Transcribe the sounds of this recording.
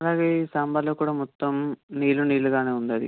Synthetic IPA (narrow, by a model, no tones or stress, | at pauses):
ɐlaːɡeiːsaːmbaloːkːuːɽɐːmɔt̪ːɐmniːluniːluɡaːneːund̪ɐd̪ḭ